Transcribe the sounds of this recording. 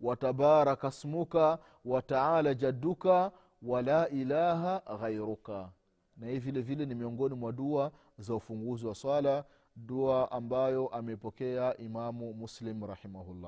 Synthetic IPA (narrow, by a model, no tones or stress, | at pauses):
watabaɾakasmuka | wataaːlad͡ʒadːuka | walaːʔilaːɦaɣajɾuka | nahivilɛvilɛnimiɔŋɡɔnimwaɗua | zaufuŋɡuziwaswala | ɗuaʔambajɔʔamɛipɔkɛaʔimamumuslimɾahimahulːa̰ː